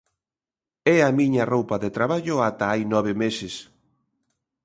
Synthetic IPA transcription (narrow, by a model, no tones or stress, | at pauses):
ɛamiɲɐrowpɐðet̪ɾaβaʎʊat̪aajnɔβ̞ɪmesɪs